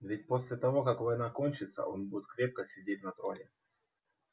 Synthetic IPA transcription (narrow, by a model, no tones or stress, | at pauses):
vʲɪt̚ʲpo̞sʲlʲɪt̪ɐvo̞kakvɐjnakonʲt͡ɕɪt̪sə̰ʔo̞̰nbudʲɪt̪kɾʲep̚kəsʲɪdʲet̚ʲnɐt̪ɾonʲɪ